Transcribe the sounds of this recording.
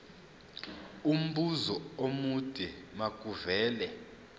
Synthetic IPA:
um̩ɓuzɔomud̥ʱɛmakʼuvɛːlɛ

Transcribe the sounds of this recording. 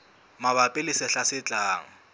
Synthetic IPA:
maβapʼɪlɪsɪɬasɪt͡ɬʼaːŋ̩

